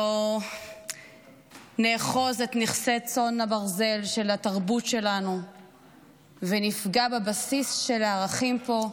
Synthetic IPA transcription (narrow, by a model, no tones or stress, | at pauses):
o | neːχo̞zet̪niχsett͡so̞nabaʁze̞lʃe̞lataʁbutʃe̞lanu | venifɡabebasisʃe̞laːʁaχimpo̞